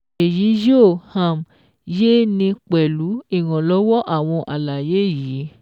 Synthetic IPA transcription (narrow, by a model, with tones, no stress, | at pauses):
e˨ji˨˦jo˦˨hã˨m | je˦nĩ˧k͡pɛ˨lu˨˦i˦˨wã˨lɔ˨˦wɔ˦ʔa˦˨w̃ɔ̃˧ʔa˨la˨je˨˦˨ji˨˦